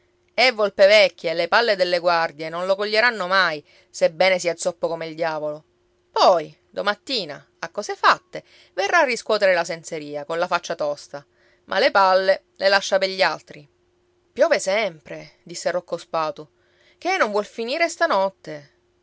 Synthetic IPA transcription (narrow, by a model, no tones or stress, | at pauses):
ɛvːolpevɛkʲːeːlepalːed̪elːeɡward̪jenonlokoʎːeɾanːomaj | sebːɛːnesiːat̪sɔpːokomeild̪jaːvolo | pɔj | d̪omat̪ːiːna | akːɔːsefat̪ːe | verːaːrːiskwɔːt̪eɾelasenseɾiːakonlafat͡ʃːat̪ɔst̪a | mʔa̰lepalːe | lelaʃːapeʎːialt̪ɾi | pjɔːvesɛmpɾed̪isːerokːospaːt̪u | k̟enõɱvwɔlfiniːɾest̪anɔt̪ːe